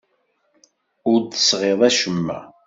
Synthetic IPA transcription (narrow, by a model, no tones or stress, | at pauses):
ʊɾd̪əsʁeðˤæʃəmːæ̰